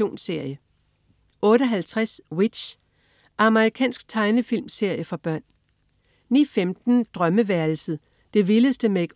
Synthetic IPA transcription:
o̝̰ːnse̝ɐ̰jə | ʔɔ̽ːɾ̥əɦælt͡sʰʁaswid̥ɕ | ʔɑ̈məʁikʰɛ̰ːnsɡ̥̚t͡sʰɑ̈ɪnəfilmse̝ɐ̰jəfɑ̈b̥ɶɐ̰n | nḭːfemd̥n̩d̥ʁɶməʋæɐl̩sð̩ˠ | d̥e̝ʋiləsd̥əmee̝ɡ̥

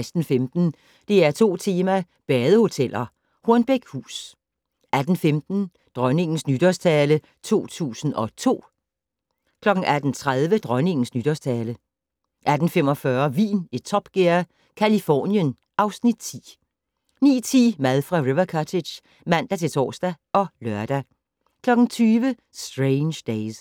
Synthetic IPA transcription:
ɪsd̥n̩femd̥n̩ | d̥e̝æɐt͡sʰo̝̰ːt͡sʰe̝ːmæ | b̥ɛːð̞ˠəho̝t͡sʰel̰ɐ | hoɐnb̥eɡ̥hṵːs | æd̥n̩femd̥n̩ | d̥ʁɶne̝ŋn̩snyd̥ɒst͡sʰɛːlə | t͡sʰo̝̰ːt͡sʰṵːsn̩ɒ̽t͡sʰo̝̰ː | kʰlɒ̽ɡ̥n̩ʔæd̥n̩t͡sʰʁaðˠʋəd̥ʁɶne̝ŋn̩snyd̥ɒst͡sʰɛːlə | ʔæd̥n̩fem̰ɒ̽fɶɐʋḭːnet͡sʰɒ̽b̥ɡ̥eɐ | kʰælifɒ̰ːnjən | ʔɑ̈ʊsnid̥̚t͡sʰḭː | nḭːt͡sʰḭːmæðˠfʁɑ̈ʁiʋɐkʰɑt͡sʰe̥ɕ | mæn̰d̥æt͡sʰe̝lt͡sʰɒ̰ːsd̥æɒ̽lɶɐd̥æ | kʰlɒ̽ɡ̥n̩t͡sʰyːʋə | sd̥ʁeɪnɕd̥eɪs

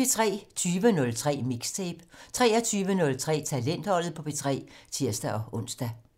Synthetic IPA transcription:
e̝t͡sʰʁɛ̰ːt͡sʰyːʋənɔ̽lt͡sʰʁɛ̰ːmiɡ̥st͡sʰeb̥t͡sʰʁɛːɐt͡sʰyːʋənɔ̽lt͡sʰʁɛ̰ːt͡sʰælen̰d̥hɒ̽l̰ð̩ˠpʰɒ̽b̥e̝t͡sʰʁɛ̰ːt͡sʰiɐ̰sd̥æʔɒ̽ɔ̽n̰sd̥æ

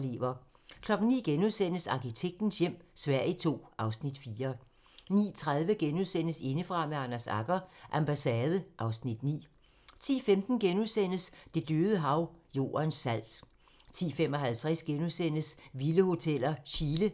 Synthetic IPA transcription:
le̝̰ʋɐ | kʰlɒ̽ɡ̥ŋ̩nḭːɡ̥enuðˠsen̰əsɑ̈kʰit͡sʰeɡ̥̚d̥n̩sjem̰sʋæɐ̰it͡sʰo̝̰ːʔɑ̈ʊsnid̥fiːɐ | nḭːt͡sʰʁað̞ˠʋəɡ̥enuðˠsen̰əse̝nəfʁɑ̈meɑnæsɑ̈ɡ̥ɐʔæmb̥æsɛːð̞ˠəʔɑ̈ʊsnid̥nḭː | t͡sʰḭːfemd̥n̩ɡ̥enuðˠsen̰əsd̥e̝d̥øːð̞ˠəɦɑ̈ʊjo̝̰ːɐnsæl̰d̥ | t͡sʰḭːfem̰ɒɦælt͡sʰʁasɡ̥enuðˠsen̰əsʋiləho̝t͡sʰel̰ɐɕilə

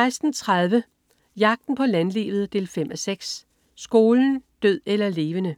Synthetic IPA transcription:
ɪsd̥n̩t͡sʰʁaðˠʋə | jɑ̈ɡ̥̚d̥n̩pʰɒ̽lænlḛːʋð̞̩ˠd̥e̝̰ːlfem̰æseɡ̥s | sɡ̥o̝ːln̩d̥øð̞̰ˠelɐle̝ːʋənə

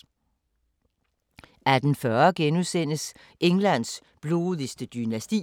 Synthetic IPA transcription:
æd̥n̩fɶɐɡ̥enuðˠsen̰əs | ʔeŋlæn̰s | b̥lo̝ːðˠisd̥əd̥ynæsd̥ḭː

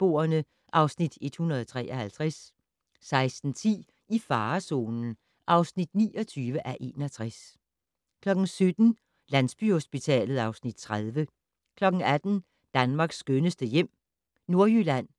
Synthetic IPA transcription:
b̥o̝̰ːɐnə | ʔɑ̈ʊsnid̥e̝d̥hunɐð̞ˠɒt͡sʰʁɛ̰ːʔɒhælt͡sʰʁas | sɑ̈ɪsd̥n̩t͡sʰḭː | ʔifɑ̈ːso̝̰ːnn̩ | ʔɑ̈ʊsnid̥nḭːɒ̽t͡sʰyːʋəʔæʔe̝ːnɒt͡sʰʁas | kʰlɒ̽ɡ̥ŋ̩sød̥n̩ | lænsb̥yho̝sb̥it͡sʰɛ̰ːlð̩ˠɑ̈ʊsnid̥̚t͡sʰʁaðˠʋə | kʰlɒ̽ɡ̥ŋ̩æd̥n̩ | d̥ænmɑ̈ːɡ̥sːɡ̥ønəsd̥əjem̰ | no̝ɐjylæn̰

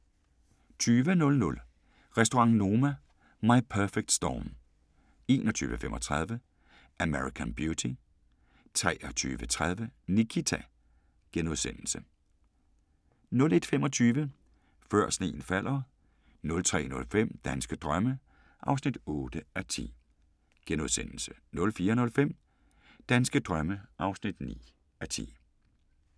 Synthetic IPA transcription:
t͡sʰyːʋənɔ̽lnɔ̽l | ʁɛsd̥o̝ʁɑ̈ŋno̝ːmæ | mɑ̈ɪpʰœɐfeɡ̥̚d̥sd̥ɒ̰ːm | e̝ːnʔɒt͡sʰy̰ːʋəfemʔɒ̽t͡sʰʁɑð̞ˠʋə | ʔæmeʁikʰænb̥jut͡sʰi | t͡sʰʁɛ̰ːɐt͡sʰy̰ːʋət͡sʰʁað̞ˠʋənikʰit͡sʰæ | ɡ̥enuðˠsen̰l̩sə | nɔ̽le̝d̥femɒ̽t͡sʰyːʋə | fɶɐ̰sne̝̰ːn̩fæl̰ɐ | nɔ̽lt͡sʰʁɛ̰ːnɔ̽lfem̰d̥ænsɡ̥əd̥ʁɶmə | ʔɑ̈ʊsnid̥ɔːd̥əæt͡sʰḭː | ɡ̥enuðˠsen̰l̩sə̥nɔ̽lfiːɐnɔ̽lfem̰ | d̥ænsɡ̥əd̥ʁɶməʔɑ̈ʊsnid̥nḭː | æt͡sʰḭː

